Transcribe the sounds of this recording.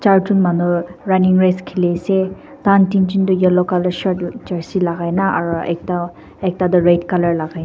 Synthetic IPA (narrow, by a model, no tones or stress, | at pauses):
t͡ʃaɹtunmanuɹaniŋɹeskʰilesɛ | tantintindujɔlɔkalaɹʃɔtd͡ʒaɹsilaɡajnaʔaɹuɛ̰k̚ta | ɛk̚tadɔɹejtkalaɹlaɡajna